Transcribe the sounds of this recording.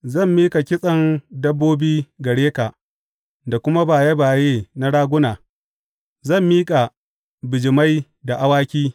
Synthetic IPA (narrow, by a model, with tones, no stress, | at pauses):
zɐ˦˨mːiː˦kʼa˨kʲɪ˦sʼɐ˨ndɐ˦bːoː˦biː˦ɡɐ˨ɽeː˦ka˨ | da˨kʷʊ˦ma˦baː˨jɐ˦baː˨jeː˦na˦ɽaː˦ɡʷʊ˦naː˨ | zɐ˦˨mːiː˦kʼa˨ | bɪ˨d͡ʒɪ˨ma˦j | da˨ʔa˦waː˦kʲiː˦